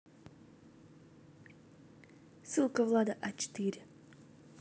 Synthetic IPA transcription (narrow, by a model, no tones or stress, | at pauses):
sɨlˠkavlˠaːd̪aʔat͡ʃe̥t̪iɾʲɪ